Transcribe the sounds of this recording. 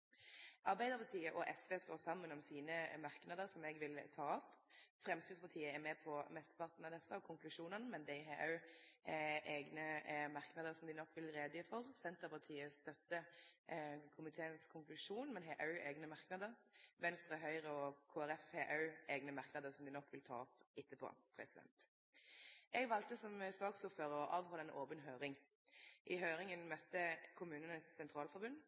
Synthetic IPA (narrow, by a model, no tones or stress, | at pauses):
ʔɑɾbæɪd̪əɾpʰɑt̪ʰiːəʔɔʔɛsʋeːst̪oːʁsɑmːənɔmsiːnəmɑʁknɑd̪əɾsɔmɛɡʋɪlt̪ʰɑːɔpfɾɛmskɾɪt̪spʰɑʁt̪ʰiːəɛmɛpʰɔmɛst̪ə̥pʰɑʁt̪nɑd̪ɛsəɔkʰʊŋklʉʂuːnənmɛnd̪ɛɪɦeːʔɑʉ | ʔeːɡnəmɑʁknɑd̪əɾsɔmd̪ɪnɔkːʋɪlɾeːd̪əɪfɔʁsɛnt̪əpʰɑʁt̪ʰiːəst̪œt̪ːə | kʰʊmɪt̪ʰeːənskʰʊŋklʉʂuːnmɛnɦeːʔœʉʔeːɡnəmɑʁknɑːd̪əʁʋɛnst̪ʁəɦœʏʁəɔkʰoːæɾɛfheːʔɑʉeːɡnəmɑʁknɑd̪əsɔmd̪ɪnɔkːʋɪlt̪ʰɑ̰ːɔpɪt̪ːəpʰo̰pʰʁɛ̰sɪd̪ɛ̰nt̪ | ʔɛɡʋɑlt̪əsɔmsøːɡsuːføːɾɔʔɑːʋhɑːləɛnʔoːpənɦøːʁɪŋ | ʔɪɦøːɾɪŋənmœt̪ːəkʰʊmʉːnənəsːɛnt̪ʰɾɑːlfɔɾbʉnd